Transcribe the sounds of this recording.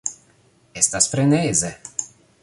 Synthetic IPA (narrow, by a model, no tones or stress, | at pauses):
ɛst̪aspɾɛnɛjzɛ